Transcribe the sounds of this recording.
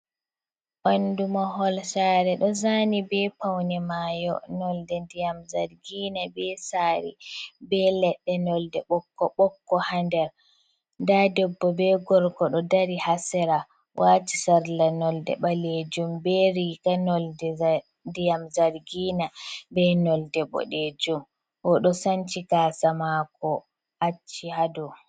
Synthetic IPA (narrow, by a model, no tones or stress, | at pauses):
ʔɔndumaɦɔlsaːɾɛɗɔzaːnibɛpawnɛmaːjɔ̰nɔldɛndijamzaɾɡiːnabɛsaːɾḭbɛlɛɗːɛnɔldɛɓɔkːɔɓɔkːɔhandɛɾ | ndadɔbːɔbɛɡɔɾkɔɗɔdaɾihasɛɾa | wʔaːtisaɾlanɔldɛ̰ɓaled͡ʒumbɛɾikanɔldɛ | dijamzaɾɡiːnabɛnɔldɛɓɔ̰ɗed͡ʒum | ʔɔɗɔsant͡ʃikaːsamakɔ | ʔat͡ʃːihadu